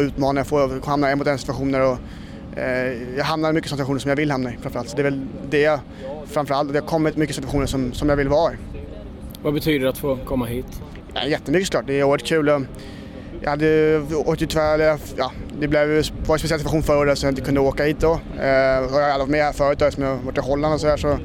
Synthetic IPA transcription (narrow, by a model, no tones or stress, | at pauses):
ɔʉ̟ːt̪mɑːnajafoːhamnaɛmʊt̪ɛnsɪt̪vaɧuːnəɾɔ | jɑːɡɦamnaɾəmʏkːəsɔnɪtaɧuːnəʂɔmjavɪlːhamnaɪfɾanfœɾalt̪sɔd̪ɛvɛld̪ɛja | fɾanfœɾalt̪ɔd̪ɛhakʰɔmːɪt̪mʏkːəsɪt̪vaɧuːnəʂɔmsɔmjaɡvɪlːvɑːɪ | vabɛt̪ʰyːd̪əat̪foːkʰɔmːaɦiːt̪ | ɛ̰jɛt̪ːəmʏkəsɔklɑːʈ̚d̪ɛːuːəɾət̪kʰʉ̟ːlɔ | jɑ̰had̪ːəo̰ːk̚t̪ɪt̪ʰvɛlːjɑ | jɑ̰ːd̪ɛblɛvjvaɾjəspɛsɪɛsɪt̪faxuːnfœːɾɛsɔmjaɪt̪əkʰɵnd̪əoːkahiːt̪̚d̪ɔ | ɔjɑhaalːɪvɔt̪mɛhæːɾfœːɾət̪ːɑɡsɔmjaːvɔʈːɪɦɔlːand̪ɔs̬ɔd̪æːʂɔ